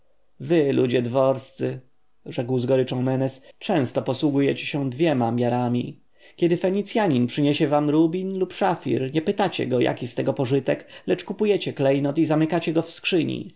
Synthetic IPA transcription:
vɘlṵd͡ʑɛd̪vɔɾst̪sɘ | ʐɛkwzɡɔɾɘt͡ʂɔ̃w̃mɛnɛst͡ʂɛ̃w̃st̪ɔpɔswuɡujɛt͡ɕɛ̥ɕɛ̃d̪vʲjɛmamʲjaɾamʲi | kʲɛd̪ɘfɛɲit̪sʲjaɲinpʂɘɲɛɕɛvamɾubʲinlupʂafʲḭɾɲɛpɘt̪at͡ɕɛ̰ɡɔjʔa̰kʲist̪ɛɡɔpɔʐɘt̪ɛklɛt͡ʂkupujɛt͡ɕɛklɛjnɔt̪izamɘkat͡ɕɛɡɔfskʂɘɲḭ

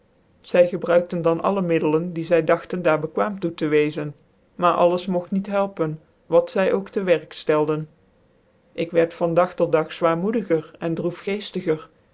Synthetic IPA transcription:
z̥ɛjχəbrœɥk̚təndɑnʔɑ̰ləmɪdələndizɛjdɑχtəndaːɹbəkʋaːmtutəʋejzən | maːɹʔɑ̰ləsmɔxtnitɦɛlˠpən | ʋɑtsɛjʔowktəʋɛɹkstɛlˠdən | ʔɪkʋɛɹtfɑndɑχtɔt̚dɑχz̥ʋaːɹmudəχərɛndrufχejstəχər

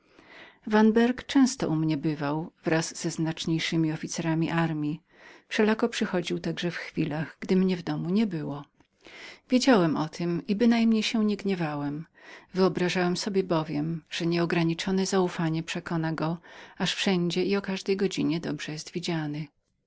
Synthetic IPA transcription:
vanbɛɾkt͡ʂɛ̃w̃st̪ɔʔumɲɛbɘvawvɾaz̥ːɛznat͡ʂɲejʂɘmʲiɔfʲit̪sɛɾamʲiʔaɾmʲji | fʂɛlakɔpʂɘxɔd͡ʑiwt̪aɡʐɛfxfʲilaɣɡ̥d̪ɘmɲɛvd̪ɔmuɲɛbɘwɔ | vʲjed͡ʑawɛmʔɔt̪ʰɘmibɘnajmɲejɕɛɲɛɡɲɛvawɛm | vɘɔbɾaʐawɛmsɔbʲjɛbɔvʲjɛmʐ̥ɛɲɛɔɡɾaɲit͡ʂɔnɛzaufaɲɛpʂɛkɔnaɡɔaʂfʂɛɲd͡ʑɛiɔkaʐd̪ɛjɡɔd͡ʑiɲɛd̪ɔbʐ̥ɛjɛst̪vʲid͡ʑanɘ

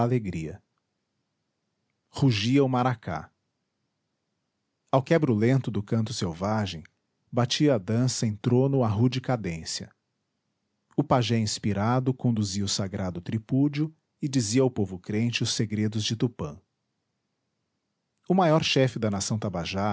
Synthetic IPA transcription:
aleɡɾiɐ̰ | huʒiɐʊmaɾakʰa̰ | awkɛbɾʊlẽnt̪ʊd̪ʊkɐ̃nt̪ʊ̥sewvaʒẽj̃ | bat͡ʃiɐːd̪ɐ̃sɐẽj̃t̪ɾõnʊaɦud͡ʒɪkad̪ẽsjɐ̰ | ʊpaʒẽĩspiɾad̪ʊkõnd̪uziɐʊsaɡɾad̪ʊt̪ɾipud͡ʒʊ | ɪd͡ʒiziɐawpovʊkɾẽnt͡ʃɪʊseɡɾed̪ʊzd͡ʒɪt̪upɐ̰̃ | ʊmajɔɾʃɛfɪd̪ɐnasɐ̃w̃t̪abaʒa

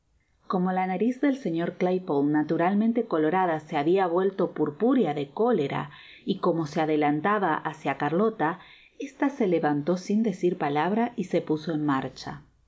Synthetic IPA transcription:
ko̞mo̞lanaɾizðe̞lse̞ɲo̞ɾklajpownat̪uɾalmẽnt̪e̞ko̞lo̞ɾaðaseaβiaβwe̞lt̪o̞puɾpuɾjaðe̞ko̞le̞ɾa̰ | iko̞mo̞seaðe̞lant̪aβaʔasjakaɾlo̞t̪a | est̪ase̞le̞βant̪o̞sind̪e̞siɾpalaβɾaise̞puso̞enmaɾt͡ʃa̰

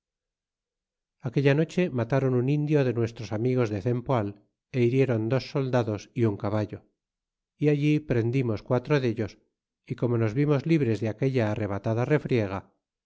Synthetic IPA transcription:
ake̞ʎano̞t͡ʃe̞mat̪aɾo̞nunind̪jo̞ðe̞nwe̞st̪ɾo̞samiɣ̞o̞zðeθe̞mpoal | e̞iɾje̞ɾo̞nd̪o̞sːo̞ld̪aðo̞siuŋkaβaʎo̞ | iaʎipɾe̞nd̪imo̞skwat̪ɾo̞ðe̞ʎo̞s | iko̞mo̞no̞zβimo̞zliβɾe̞zðeake̞ʎaːre̞β̞at̪aðare̞fɾje̞ɣ̞a

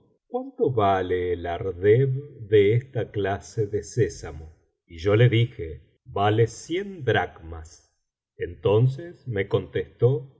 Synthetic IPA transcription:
kwant̪o̞βaleːlaɾðeβðeest̪aklaseðesesamo | iʒo̞leðixe | βalesje̞nd̪ɾaɣmas | ent̪o̞ns̬esme̞ko̞nt̪est̪o̞

